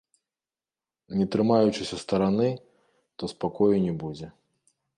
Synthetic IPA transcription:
nʲɛt̪ɾɨmajut͡ʂɨsʲɐst̪ɐɾanɨ | t̪ɔspakɔjunʲɛbud͡zʲɛ

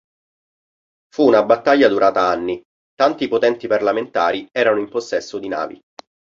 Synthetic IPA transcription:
fuːnabat̪ːaʎːad̪uɾaːt̪aanːi | t̪ant̪ipot̪ɛnt̪iparlament̪aːɾiɛːɾanoimposːɛsːod̪ina̰ːvḭ

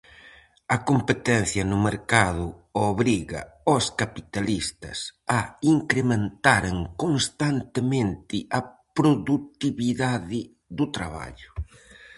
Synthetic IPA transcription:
ɐkompet̪ɛn̟θjɐnʊmeɾkaðʊoβɾiɣɐ̰ | oskapit̪alist̪ɐ̰sɐiŋkɾemẽnt̪aɾeŋkonst̪ant̪ɪmẽnt̪ɪʔɐpɾoðut̪iβiðaðɪ | ðʊt̪ɾa̰βa̰ʎʊ

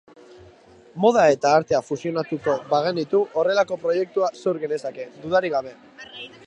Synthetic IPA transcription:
mo̞ð̞ae̞t̪aːɾt̪e̞afusio̞nat̪uko̞βaɣ̞e̞nit̪uʔore̞lako̞pɾo̞je̞k̚t̪uase̞wɾɣe̞ne̞sake̞d̪uðaɾiɣ̞aβ̞e̞

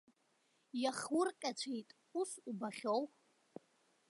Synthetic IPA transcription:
jaχwʊrqʲʼat͡ɕʷʰejtʼ | usubaχʲow

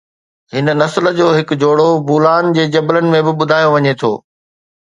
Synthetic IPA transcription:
hɪnənɐslə̆d͡ʑoːɦɪkd͡ʑoːɽobuːlaːnd͡ʑeːd͡ʑɐblənɪ̆mẽbɪɓʊd̪ʱaːjoʋɐɲet̪ʰo̰ː

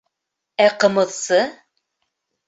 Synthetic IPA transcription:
æqɤ̆mɤ̆ðsɤ

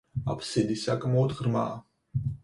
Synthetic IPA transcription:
a̰pʰsid̪isakʼmɔːd̪ʁɾma̰ː

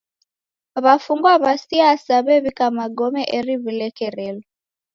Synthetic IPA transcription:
βafuŋɡwaβasiasaβɛβikamaɡɔmɛʔɛɾiβilɛkɛɾɛlɔ

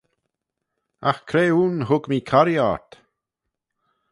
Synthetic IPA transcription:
axkʰɾeːunɦʊɡmiːkʰaɾja̰ɹt̪

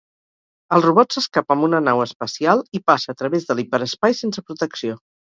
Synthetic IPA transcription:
əlˠruβɔtsəskapəmbunənawəspəsialˠipasəːt̪ɾəβezðəlipəɾəspajsensəpɾut̪əksio

